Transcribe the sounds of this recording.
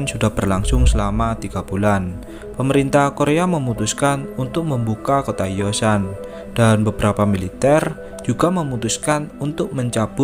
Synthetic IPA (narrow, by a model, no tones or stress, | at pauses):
nsudahb̥ərlaŋsʊŋsəlamat̪iɡ̥ab̥ulan | pəməɾint̪ahkoɾeaməmut̪uskanunt̪ʊk̚məmbukakot̪aijosan | d̥anbəbəɾapamilit̪ɛr | d͡ʒuɡ̥aməmut̪uskanunt̪ʊk̚məɲt͡ʃab̥ʊ